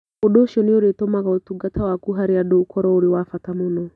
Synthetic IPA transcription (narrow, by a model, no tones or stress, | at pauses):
odoːʃiɔneoɾetomaɣaotuɡatʰawakuɦaɾeadoukɔɾɔoɾewafatamonɔ